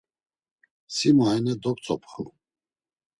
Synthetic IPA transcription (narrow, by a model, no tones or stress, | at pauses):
simaɛnɛd̪ɔkt͡sʼɔpʰχu